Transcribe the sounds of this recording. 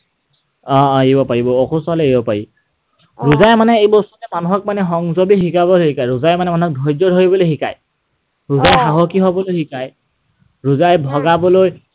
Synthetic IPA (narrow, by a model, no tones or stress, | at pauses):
ɔ̃ibɔpaɹibɔːkʰusɔlɛibɔpaɹi | ɹuzajmanɛejbɔstɔnɛmanuɦɔk̚manɛxɔŋzɔbixikabɔhikajɹuzajmanɛmanuɦɔk̚dʱɔjd͡ʒɔdʱoibɔlojxika̰j | ɹuzajxaɦɔkiɦɔbɔlojɦikaj | ɹuzajbʱɔɡabɔloj